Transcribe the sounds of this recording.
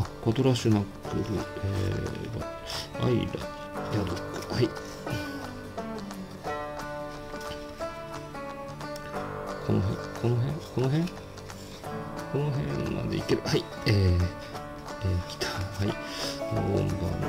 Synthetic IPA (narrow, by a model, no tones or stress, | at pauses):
kot̪oɾaɕinakɯɾɯeba̰ | a̰iɾa̰ | jad̪okːɯ̥hai | kʰonoɦḛ̃ŋkʰonoɦẽŋkonoɦẽŋ | ko̞noɦẽma̰d̪eikeɾɯ̟hai | eː | eːkʲi̥t̪ʰahai | ɡõ̰mbã̰